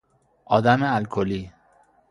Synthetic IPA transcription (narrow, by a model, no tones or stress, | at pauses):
ɒːd̪æmealkʰoli